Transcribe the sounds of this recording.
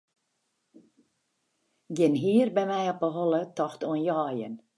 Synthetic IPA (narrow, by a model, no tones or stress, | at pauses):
ɡɪnɦiːərbɛmɛjɔpəɦɔlətɔxtuənjɔːjən